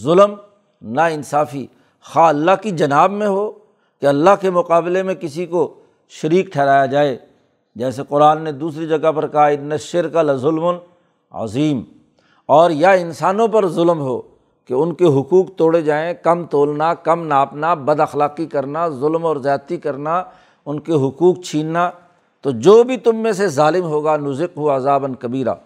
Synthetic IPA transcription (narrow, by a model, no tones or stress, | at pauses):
zʊlm | naɪnsaːfi | xaːɐlːaɦkid͡ʒɐnaːbmẽɦoː | keɐlːaɦkemʊqaːbɪlemẽkɪsiko | ʃɐɾiːk̚ʈʰɛːɾaːjad͡ʒaːeː | d͡ʒɛːseqʊɾaːnːed̪uːsɾid͡ʒɐɡapɐɾkɐaɦaɪnːɐʃɪɾkəlzʊlmʊn | ɐ̰ziːm | ɔːɾjaɪnsaːnõpɐɾzʊlmɦoː | keʊnkeɦʊkuːqt̪oːɽed͡ʒaːẽkɐmt̪oːlnakɐmnaːpnabɐd̪ɐxlaːqikɐɾnazʊlmɔːɾzjaːt̪ikɐɾna | ʊnkeɦʊkuːk̚t͡ʃʰiːnna | t̪od͡ʒoːbʱit̪ʊmːẽs̬ezaːlɪmɦoːɡanʊzɪqɦuɐzaːbɐnkɐbiːɾa̰ː